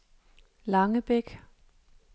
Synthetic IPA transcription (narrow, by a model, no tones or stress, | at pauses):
lɑ̈ŋəb̥eɡ̥